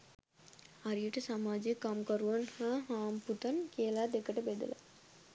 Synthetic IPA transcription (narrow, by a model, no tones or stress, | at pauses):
ɐɾijəʈəsamaːd͡ʒijkːamkɐɾuʋɐnhaːɦaːmput̪ɐnkijəlaːd̪ekːɐʈəbed̪ɐ̰la̰